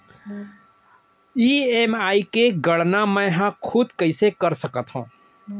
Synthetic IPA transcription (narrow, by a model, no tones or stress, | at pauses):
iːeːmaːikeɡəɽnamə̃ɦãkʰʊd̪kəɪsekəɾsəkət̪ɦṵ̃ː